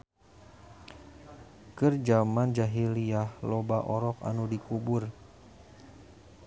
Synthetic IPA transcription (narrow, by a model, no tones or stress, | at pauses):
kərd͡ʒamand͡ʒaɦiliahlobaʔɔɾɔka̰nudikubʊr